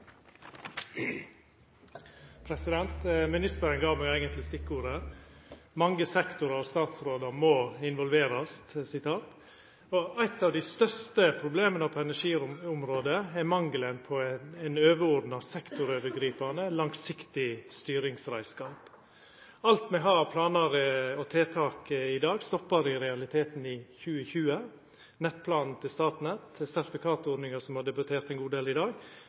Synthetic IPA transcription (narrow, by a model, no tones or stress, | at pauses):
pʰɾɛsɪd̪ɛnt̪mɪnɪst̪əɾənɡɑːmɛɡæɪɡənt̪lɪst̪ɪkːuːɾəɾ | mɑŋːəsɛkt̪ʊɾɑɾɔst̪ɑːt̪sɾoːd̪ɑmoɪnʋɔlʋeːɾɑst̪sɪt̪ʰɑːt̪ | ɔʔæɪt̪ːɑːʋd̪ɪst̪œst̪əpʰɾʊbleːmənəpʰɔɛnæʂiːʊmɾoːd̪əɛmɑŋɡlənpʰɔɛɪnøːʋəɾɔɾd̪n̩ɑsɛkt̪ʊɾøːʋəɡɾiːpɑnəlɑŋsɪkt̪ɪst̪yːɾɪŋsɾæɪskɑːp | ɑlt̪mɛɦɑːpʰlɑːnɑɾəɔt̪ʰeːt̪ʰɑːkəɪd̪ɑːɡst̪ɔpːɑɾɪɾɛɑlɪt̪ʰeːt̪n̩ɪçʉːəçʉːə | nɛt̪̚ːpʰlɑːnn̩t̪ʰɪlst̪ɑːt̪nɛt̪sæɾt̪ɪfɪkʰɑːt̪ɔɾd̪nɪŋɑsɔmhɑɖ̪ɛbɑt̪ʰeːɾt̪ɛɪnɡuːd̪eːlɪd̪ɑːɡ